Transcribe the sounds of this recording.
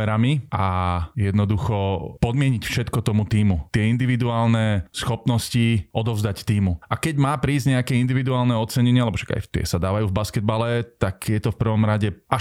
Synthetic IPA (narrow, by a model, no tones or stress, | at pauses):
ɛɾamiʔajɛd̪nɔd̪uxɔpɔd̪mɪɛɲicfʃɛt̪kɔt̪ɔmut̪iːmut̪ɪɛind̪iʋid̪uaːlnɛsxɔpnɔsciʔɔd̪ɔʊzd̪act̪iːmuʔakɛɟmaːpɾiːzɟɲɛakɛind̪iʋid̪uaːlnɛɔt͡sɛɲɛɲɪalɛbɔʃḁɡa̰jt̪ɪɛ̰sad̪aːʋajuːvbaskɛd̪balɛt̪akjɛt̪ɔfpr̩ʋɔmɾaɟɛʔa